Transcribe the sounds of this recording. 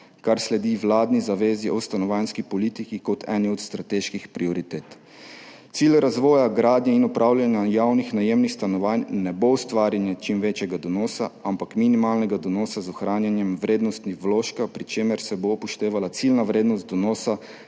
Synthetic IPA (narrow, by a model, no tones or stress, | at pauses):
kaɾslɛd̪iʋlaːd̪nizaʋeːziʔɔst̪anɔʋaːnskipɔliːt̪ikikɔt̪ʰɛ̰ːniɔt̪st̪ɾat̪eːʃkixpɾiɔɾit̪eːt̪ | t̪siːlɾazʋɔːjaɡɾaːd̪njɛinɔpɾʔaːwljanjajaːwnixnajemnixst̪anɔʋaːnnɛboust̪ʋaːɾjanjɛt͡ʃimʋeːt͡ʃjɛɡad̪ɔnɔːsaampakminimaːlnɛɡad̪ɔnɔːsazɔxɾaːnjanjɛmʋɾeːd̪nɔst̪nixʋlɔːʃkapɾit͡ʃeːmɛɾsɛbopɔʃt̪eːʋalat̪silnaʋɾeːd̪nɔst̪̚d̪ɔnɔːsa